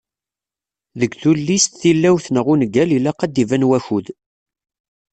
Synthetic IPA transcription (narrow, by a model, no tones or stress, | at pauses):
ðəɡθulːist̪θilːæwθnəʁunɡælilæqɑd̪ːivænwæçuð